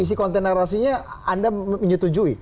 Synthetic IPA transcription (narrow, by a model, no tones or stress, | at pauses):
is̬ikɔnt̪ɛnaɾasiɲaandaməɲət̪ud͡ʒui